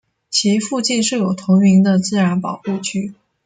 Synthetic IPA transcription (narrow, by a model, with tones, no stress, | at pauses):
t͡ɕʰi˧˥fu˥˧t͡ɕi˥˧nʂɻ̩˥˩jo˨˩ʊt̪ʰʊ˧˥ŋmi˧˥ŋd̪ə˧t͡sɹ̩˥˩ɻa˧˥npɑ˨˩ʊxu˥˧t͡ɕʰy˥˩